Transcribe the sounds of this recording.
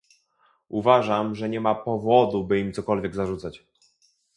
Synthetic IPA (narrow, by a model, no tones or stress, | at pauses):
uvaʐamʐɛɲɛmapɔvɔd̪ubɘimt̪sɔkɔlvʲjɛɡzaʐut̪sat͡ɕ